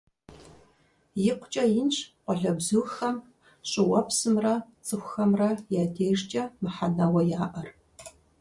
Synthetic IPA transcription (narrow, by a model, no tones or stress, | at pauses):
jɪqʷʊt͡ʃʼɐjɪnɕqʷɔɮɐbzɨxɐm | ɕʼɨwɐpsɨmrɐt͡sʼɨxʷʊxɐmrɐjaːdʰeːʐt͡ʃʼɐmɨħanɐwɐjaːʔɐr